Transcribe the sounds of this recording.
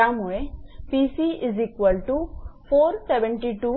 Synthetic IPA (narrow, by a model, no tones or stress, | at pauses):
amuɭepisiʔizikʋəlʈufoːɾseʋə̃ɳʈiʈu